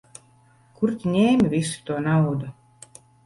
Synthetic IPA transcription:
kuɾt̪ʲinʲeːmʲvʲisi̥t̪uɔnawd̪u

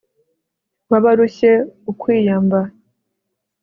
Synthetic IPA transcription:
βaβaɾuɕe̞ukwiːjamba

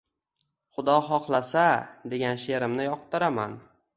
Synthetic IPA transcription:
χʊd̪ɒχɒqlˠasad̪e̞ɡʲanʃe̞ɾɪmnɪjɒq̚t̪ɪɾama̰n

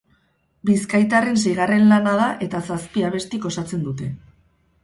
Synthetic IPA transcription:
biskajt̪are̞ns̬e̞jɣare̞nlanað̞aʔe̞t̪asaspiaβ̞e̞st̪iko̞sat͡se̞nd̪ut̪e̞

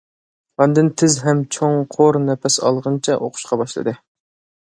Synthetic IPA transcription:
ʁɑnd̪ɨnt̪ʰɪzɦɛmt͡ʃʰoŋqʰoɾnɛpɛsɑ̰lˠʁɨnt͡ʃʰɛʔoqʰʊ̥ʃqɑbɑʃlˠɨ̰d̪ɨ

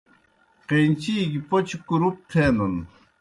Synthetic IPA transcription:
qent͡ɕikipot͡ɕʰikuɾup̚t̪ʰenən

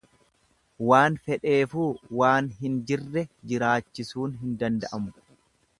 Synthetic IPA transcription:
waːnfɛᶑe̞ːfuːwaːnɦɪnd͡ʒɪrːɛd͡ʒɪɾaːt͡ʃːɪsuːnɦɪnd̪ɐnd̪ɐʔɐmʊ

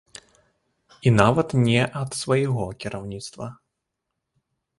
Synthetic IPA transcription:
inavɐt̪nʲɛʔɐt̪svɐjɛɣɔkʲiɾawnʲit̪st̪vɐ

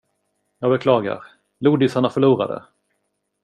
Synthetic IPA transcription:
jɑːɡbɛkʰlɑːɡa̰ɾ | luːd̪ɪsaɳafœɭuːɾa̰d̪ə̰

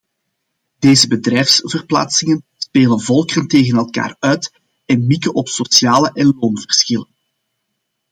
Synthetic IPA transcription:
deːzəbədrɛjfsv̥ərpla̰ːtsɪŋən | speːlənvɔlˠkərənteːɣənɛlˠka̰ːrœːt | ɛnmikənʔɔpsosjaːləʔɛnloːnvərsxɪlən

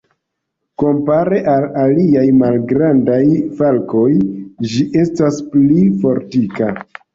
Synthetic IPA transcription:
ko̞mpaɾe̞ʔalaliajmalɡɾandajfalko̞jd͡ʒiʔe̞stasplifo̞ɾtika

